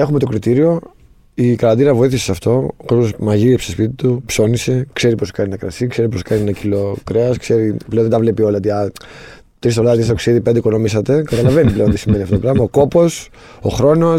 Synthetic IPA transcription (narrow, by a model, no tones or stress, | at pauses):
e̞xume̞t̪okɾit̪iɾio̞ | ikɐlɐnd̪inɐvo̞iθisesɐft̪o̞kososmɐʝiepsospit̪it̪upso̞nise̞kse̞ɾipo̞skɐninɐkɾɐ̰sikse̞ɾipo̞skɐninɐcilo̞kɾeɐskse̞ɾiplenðet̪ɐvle̞pio̞lɐot̪iɐ | t̪ɾis̬t̪olɐðɐt̪is̬t̪oksiðipend̪eiko̞no̞misɐt̪e̞kɐt̪ɐlɐve̞niple̞ont̪isimenift̪ot̪pɾɐvmɐoko̞po̞s | o̰xɾo̞no̞